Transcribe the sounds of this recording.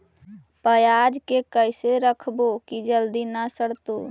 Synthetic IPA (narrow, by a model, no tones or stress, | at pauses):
pəjaːd͡ʒkekəɪseɾəkʰbokid͡ʒəld̪inasəɽt̪o